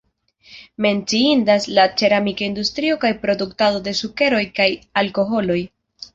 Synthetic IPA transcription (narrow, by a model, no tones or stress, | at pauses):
me̞nt͡siindaslat͡ʃe̞ɾamikaindustɾio̞kajpɾo̞duktado̞de̞suke̞ɾo̞jkajalko̞ɦo̞lo̞j